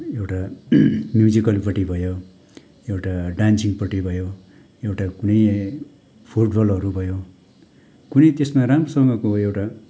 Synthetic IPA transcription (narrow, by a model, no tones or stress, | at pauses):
ewʈa | mjud͡zikʌlpʌʈibʱʌjo | ewʈaɖansiŋpʌʈibʱʌjo | ewʈakunʌj | pʰuʈbʌlʌɾubʱʌjo | kunʌjt̪esmaɾamrʌsʌŋɡʌkoewʈa